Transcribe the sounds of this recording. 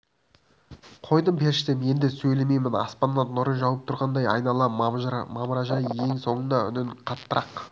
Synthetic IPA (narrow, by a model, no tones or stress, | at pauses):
qʰo̞jd̪əmpʰe̞ɾʃt̪ɪmje̞nd̪ɪsɵjleme̞jmɪnɑ̰spɑnːɑnʊɾənʒɑwəp̚t̪ʰʊɾʁɑnd̪ɑjɑ̰jnɑlˠɑmɑməɾɑʒɑjje̞ŋso̞ɴənɑʏ̰nɪnqʰɑt̪ːəɾɑq